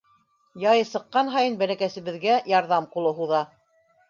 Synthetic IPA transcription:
jɑjɤsɤ̆qːɑnɦɑjɤnbælækæsɘ̆βɘ̆ðɡæjɑɾðɑmqulˠɤɦuðɑ

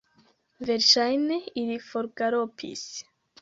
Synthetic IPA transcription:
veɾʃajneiɾifoɾɡaɾopʰḭs

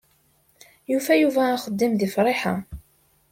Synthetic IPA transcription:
jufæjuvæːχəd̪ːimðifɾˤɪħa̰

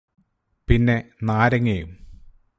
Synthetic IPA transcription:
pinːe̞naːɾɐŋːejum

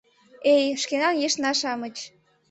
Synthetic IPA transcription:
ejʃkenɑnjeʃnɑʃɑmət͡ɕ

